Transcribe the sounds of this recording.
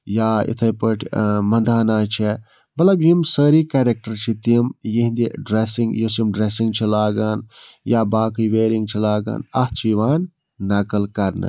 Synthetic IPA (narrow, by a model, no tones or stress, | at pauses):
jaːḭt̪ʰɐpəʈʰmɐnd̪ʱaːnaːt͡ʃʰe | bɐlɐɡjimsəːɾiːkeːɾek̚ʈɐɾt͡ʃʰit̪imjiɦĩnd̪iɖɾesiŋɡjosimɖɾesiŋɡt͡ʃʰilaːɡaːn | jaːbaːkɨjʋeːɾiŋɡt͡ʃʰilaːɡa̰ːnɐht͡ʃʰiʋaːnː | ɐkɐlkɐɾnɨ̰